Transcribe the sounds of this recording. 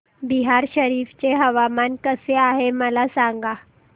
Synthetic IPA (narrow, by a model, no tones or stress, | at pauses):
biɦaɾɕəɾiːft͡ɕeɦəʋamankəseaɦeməlasaŋɡa